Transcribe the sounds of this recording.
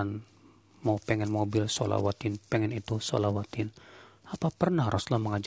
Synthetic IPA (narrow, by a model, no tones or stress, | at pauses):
an | mapɛŋɛnmobilso̰la̰wat̪inpɛŋɛnit̪uso̰lawat̪inapapərnahrʔɔslahməŋad͡ʒ